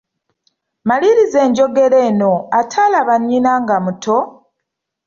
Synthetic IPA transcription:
maliɾize̞ːɲɟo̞ɡe̞ɾe̞ːno̞atʰalaβaɲːinaŋɡamutʰo̞

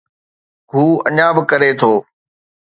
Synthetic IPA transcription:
ɡʱuːɐ̰ɲãːbɪkəɾet̪ʰoː

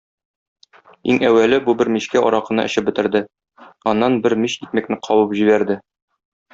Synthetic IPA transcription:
iŋæwːælɘbubɘɾmiɕkæʔɒɾɑqɤ̆nɑ̰ʔɘ̆ɕɘp̚bɘ̆t̪ɘ̆ɾd̪ɘ | ɒnːɑnbɘɾmiɕit̪̚mæknɘqʰɒwɤpʑiβæɾd̪ɘ

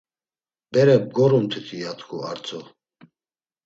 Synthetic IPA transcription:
b̥ɛɾɛb̚ɡɔɾumt̪ʰit̪ʰiat̪ʰkʰua̰ɾt͡sʰʼɔ

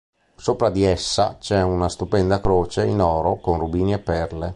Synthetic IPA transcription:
soːpɾad̪iɛsːa̰t͡ʃɛunast̪upɛnd̪akɾoːt͡ʃeinɔːɾokonrubiːniepːɛrle

